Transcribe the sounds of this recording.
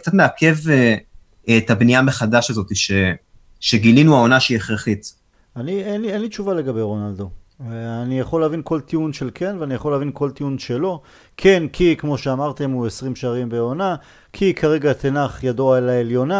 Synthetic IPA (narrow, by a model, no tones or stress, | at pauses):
kt͡sat̪meakʰeve | et̪abnijameχad̪aʃazo̞t̪iʃe | ʃeɡilinuao̞naʃeieχʁeχit̪ | anienlienlit͡ʃuvale̞ɡabe̞jʁo̞nald̪o̞ | anijaχo̞lavinko̞lt̪iunʃe̞lkʰe̞nveanijaχo̞lːavinko̞lt̪iunʃe̞lo̞ | kʰe̞nkʰikmo̞ʃe̞amaʁt̪e̞mue̞sʁimʃaːʁimbe̞o̞na | kʰikʰaʁe̞ɡat̪enaχjadoaelaeljo̞na